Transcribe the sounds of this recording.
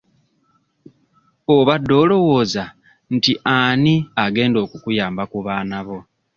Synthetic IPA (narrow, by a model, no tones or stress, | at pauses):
oβadːo̞ːlo̞woːza | n̩tiʔaniaɡe̞ːndo̞ːkukujaːmbakuβaːnaβo̞